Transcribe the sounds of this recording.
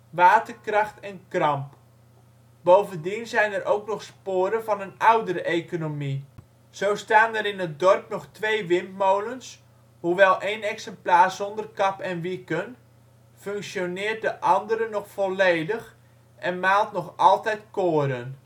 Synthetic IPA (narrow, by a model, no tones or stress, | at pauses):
ʋaːtərkrɑxtɛnkrɑmp | bowvəndinzɛjnərʔowknɔxspoːɾəvɑnənawdəɾəʔejkonomi | z̥owstaːnəɾɪnət̚dɔrpnɔxtʋejʋɪmpmowləns | huʋɛlˠʔejnɛksɛmplaːrzɔndərkɑpɛnʋikən | føŋksjonɪːrt̚dəʔɑndəɾənɔxfɔlejdəx | ʔɛnmaːlˠtnɔxɑlˠtɛjtkoːɾən